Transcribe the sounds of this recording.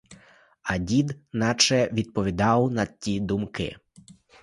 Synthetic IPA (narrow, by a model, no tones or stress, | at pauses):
ɐdʲid̪nɑt͡ʃɛʋʲid̪̚pɔʋʲid̪ɑwnɐtʲid̪umkɪ̰